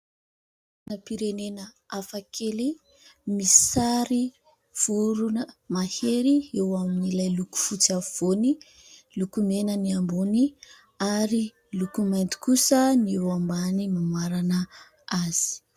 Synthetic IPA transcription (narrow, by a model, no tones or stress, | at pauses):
napiɾenenə | afakʰeli | misaɾi | v̥uɾunəmaheɾiewaminilajluku̥fut͡sav̥oni | lukumenəniambuni | aɾi | lukumajnt̪i̥kusənewambanimamaɾanə | az̥i̥